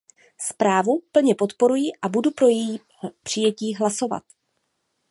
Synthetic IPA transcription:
spɾaːvupl̩ɲɛpo̞t̪po̞ɾujɪʔabudupɾo̞jɛjiː | pr̥ɪjɛciːɦlaso̞va̰t̪

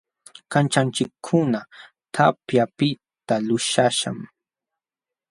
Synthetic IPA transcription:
kant͡ʃant͡ʃɪkʰːʊna | t̪ʰapjapɪtt̪alʊʃaʃa̰m

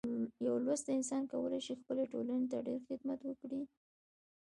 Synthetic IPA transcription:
jawlwast̪aɪnsɑnkawəlajʃixpəleʈolanet̪aɖeɾxɪd̪mat̪wəkɽi

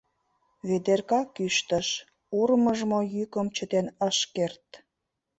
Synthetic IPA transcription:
βed̪erkɑkyʃt̪əʃ | urməʒmojykəmt͡ɕət̪enəʃkert̪̚

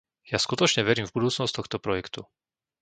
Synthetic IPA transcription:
jaskut̪ɔt͡ʃɲɛʋɛɾiːmvbud̪uːt͡snɔst̪ɔxt̪ɔpɾɔjɛkt̪u

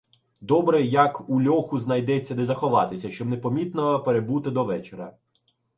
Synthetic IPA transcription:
d̪ɔbɾɛjɐkulʲɔxʊznɐjd̪ɛt͡sʲːɐd̪ezɐxɔʋɑt̪ɪsʲɐʃt͡ʃɔbnepɔmʲit̪nɔpeɾebut̪ɪd̪ɔʋɛt͡ʃeɾɐ̰

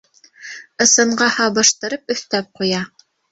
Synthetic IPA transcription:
ɤ̆sɤ̆ɴɢɑhɑbɤ̆ʃt̪ɤ̆ɾɤpɵ̆θt̪æp̚qujɑ

